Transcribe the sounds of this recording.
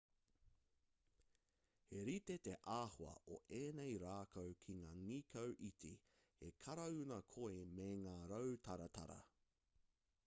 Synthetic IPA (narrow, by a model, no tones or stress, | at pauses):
he̞ɾit̪et̪eʔaːhoɐ̰ʔo̰ʔeːnejɾaːkʰowkʰiŋaːŋikʰɐwʔiti | hekʰɐɾɐʉnɐkʰoemeŋaːɾɐwtʰɐɾɐtʰɐ̰ɾɐ̰